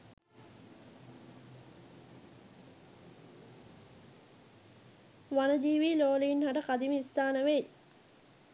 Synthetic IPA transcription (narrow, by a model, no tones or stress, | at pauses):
ʋanəd͡ʒiːʋiːloːliinhaʈəkad̪imist̪aːnəʋej